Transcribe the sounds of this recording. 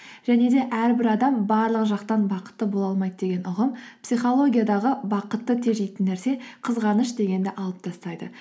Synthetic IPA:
ʒ̥æne̞d̪e̞ʔæɾbɪɾɑd̪ɑmbɑɾlˠəqʒɑqt̪ɑnbɑqə̥t̪ːəbo̞lˠɑlˠmɑjd̪əd̪e̞ɡʲe̞nʔʊʁəmpsijχolˠo̞ɡʲijad̪ɑʁəbɑqət̪ːət̪ʰe̞ʒejt̪ɪnːæɾse̞qʰəzʁɑnəʃd̪e̞ɡʲe̞nd̪ɪʔɑlˠəp̚t̪ʰɑst̪ɑjd̪ə

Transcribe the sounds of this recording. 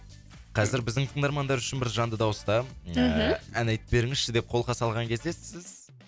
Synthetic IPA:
qʰɑzɪɾbɪzd̪ɪŋt̪ʰəŋd̪ɑɾmɑnd̪ɑɾʏʃɪnbɪɾʒɑnd̪əd̪ɑwəst̪ɑ | ænɑjt̪ɪ̥be̞ɾɪŋɪzʃɪd̪e̞p̚qʰo̞lˠqʰɑsɑlˠʁɑŋkʲʰe̞zd̪esɪz̥

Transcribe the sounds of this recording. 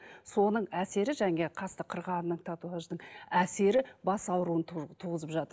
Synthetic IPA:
so̞nəɴæse̞ɾɪʒæŋe̞qʰɑst̪əqʰəɾʁɑnənəɴt̪ʰat̪uaʒd̪əɴæse̞ɾɪbɑsɑwɾuənt̪ʰuʁəzəpʒɑt̪ə

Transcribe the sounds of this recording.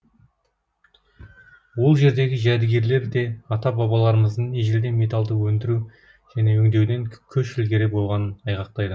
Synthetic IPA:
wo̞lˠʒe̞ɾd̪e̞ɡʲɪʒæd̪ɪɡʲe̞ɾle̞ɾd̪e̞ɑt̪ɑbɑbɑlˠɑɾəməzd̪əɴeʒɪld̪e̞me̞t̪ɑlˠd̪əwɵnd̪ɪɾu | ʒ̥æne̞wɵŋd̪e̞wd̪e̞ŋkʲʰɵʃɪlɡʲe̞ɾe̞bo̞lˠʁɑnənɑjʁɑq̚t̪ɑjd̪ə

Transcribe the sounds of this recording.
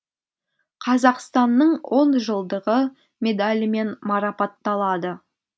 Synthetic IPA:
qʰɑzɑqst̪ɑnːəɴwo̞nʒəlˠd̪əʁə | mʲe̞d̪alʲme̞nmɑɾɑpɑt̪ːɑlˠɑd̪ə

